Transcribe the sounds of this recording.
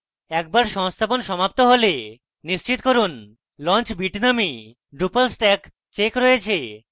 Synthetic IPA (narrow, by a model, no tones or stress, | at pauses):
ɛk̚baɾʃɔŋst̪ʰaponʃɔmap̚t̪oɦole | nːiʃt͡ɕit̪koɾun | lɔnt͡ɕbiʈnami | ɖɾupalsʈɛk | t͡ɕekɾojet͡ɕʰe